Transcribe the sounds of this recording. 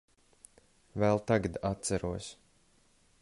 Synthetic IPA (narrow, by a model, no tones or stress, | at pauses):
vɛlˠt̪aɡad̪at̪̚t̪sæɾuɔsʲ